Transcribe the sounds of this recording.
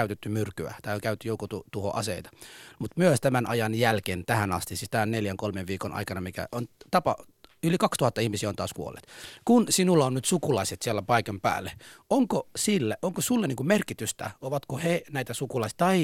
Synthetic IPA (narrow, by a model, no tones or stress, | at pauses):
æyt̪et̪ːymyrkyæ̰t̪æːoŋkæyt̪ːyjoukot̪ut̪uho̰ʔɑ̰sḛit̪ɑ̥mut̪myøst̪æmænʔɑ̰jɑnjælkeːnt̪æhænɑst̪isist̪æːonneljæŋkolmeʋʋiːkonʔɑ̰ikɑnɑmikæ̰ʔont̪ɑpɑ̰ | ylikɑkst̪uhɑt̪ːɑihmisiæont̪ɑ̰ːskuo̰lːˑḛːt̪kunsinulːɑonnyt̪sukulɑiset̪siælːæpɑikɑmpæ̰ːlːeoŋkosilːæʔoŋkosulːɑniːŋkumerkit̪yst̪æ̰oʋɑt̪kohenæit̪æsukulɑisi̥t̪ɑi